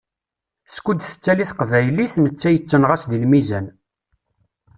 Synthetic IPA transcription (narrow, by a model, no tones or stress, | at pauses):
skʷud̪θə̥t͡sːæliθqvæjliθnət͡sːæjət͡sːənʁæsðilmizæn